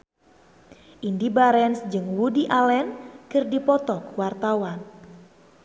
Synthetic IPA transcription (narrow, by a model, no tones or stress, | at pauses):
ʔindibaɾɛnsd͡ʒɨŋwudiʔalɛnkɨrdipɔt̪ɔkwart̪awan